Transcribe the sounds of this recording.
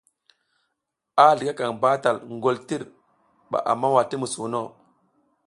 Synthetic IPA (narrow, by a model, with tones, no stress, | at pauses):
a˦ɮi˨ka˦ka˨ŋba˦ta˨lŋɡo˦˨lti˦ɾ | ɓa̰˨ʔa̰˨mːa˦wa˨ti˦mu˨su˨no˦˨